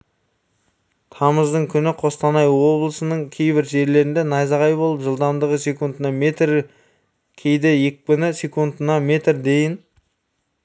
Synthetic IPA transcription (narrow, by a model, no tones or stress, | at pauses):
t̪ʰɑməzd̪əɴkʲʰʏnɪqʰo̞st̪ɑnɑjwo̞blˠəsənəɴkʲʰe̞jbɪɾʒe̞ɾle̞ɾɪnd̪e̞nɑjzɑʁɑjbo̞lˠəpʒəlˠd̪ɑmd̪əʁəsʲe̞kunt̪ənɑmet̪ɾ | kʲʰe̞jd̪eje̞k̚pɪnɪsʲe̞kund̪ənɑme̞t̪ɾd̪e̞jɪn